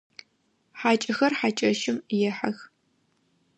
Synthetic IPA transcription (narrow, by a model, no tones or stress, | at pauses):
ħaːt͡ʃʼɐxɐrħat͡ʃʼɐʃɪmjɛħa̰x